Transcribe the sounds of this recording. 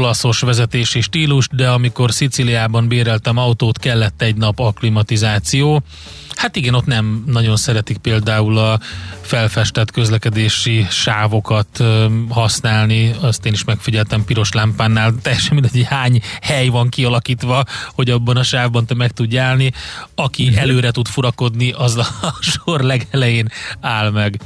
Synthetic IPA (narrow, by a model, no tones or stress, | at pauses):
olɒso̞ʃʋɛzɛt̪eːʃiʃt̪iːluʃd̪ɛɒmiko̞rsit̪siliaːbɒnbeːɾɛlt̪ɛmɒut̪oːt̪kɛlːɛt̪ːɛɟnɒpɒklimɒt̪izaːt̪sijoː | hat̪iɡɛno̞t̪nɛmnɒɟo̞nsɛɾɛt̪ik̚peːld̪aːulɒfɛlfɛʃt̪ɛt̪kø̞zlɛkɛd̪eːʃiʃaːvo̞kɒt̪hɒsnaːlniɒst̪eːniʃmɛkfiɟɛlt̪ɛmpiɾo̞ʃlampaːnːaːlt̪ɛjːɛʃɛnminɛɟhaːɲhɛjvɒŋkiɒlɒkiːt̪ʋɒho̞ɟɒbːɒnɒʃaːvbɒnt̪ɛmɛkt̪uɟːaːlniɒkiɛløːɾɛt̪ut̪fuɾɒko̞d̪niʔɒzɒʃo̞rlɛɡɛlɛjeːnaːlmɛɡ